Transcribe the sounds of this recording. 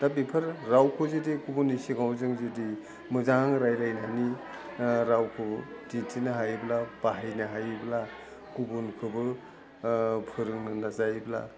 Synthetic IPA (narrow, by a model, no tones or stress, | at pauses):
dap̚ipʰɯɾɾawkʰɯzidikubunːisiɡawzɯŋzidi | mɯzaŋɾajɾajnani | ɾawkʰɯb | ditʰinaɦajblab̥aɦajnɯɦajbla | kubunkʰɯbɯ | pʰɯɾɯŋnɯnazajbla̰